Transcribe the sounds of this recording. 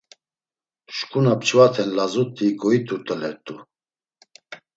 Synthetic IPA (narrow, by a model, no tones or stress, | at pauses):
ʃkʰʼunapt͡ʃʰvat̪ʰɛnlazut̪ʰːikɔit̪ʰuɾt̪ʼəlɛɾt̪ʼu